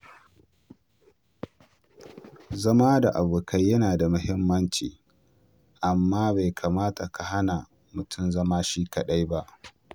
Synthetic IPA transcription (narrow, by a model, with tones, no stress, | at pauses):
zɐ˦maː˦da˨ʔa˨buː˨ka˦jːɐ˦naː˨da˨mʊ˦hɪ˦mːɐ˦nt͡ʃiː˨ | ʔa˨mːaː˦ba˨jkʰaː˨maː˦ta˨ka˨ɦa˦na˨ | mʊ˨tʰʊ˦mzɐ˦maː˦ʃiː˦kɐ˨ɗa˦jba˦ʔ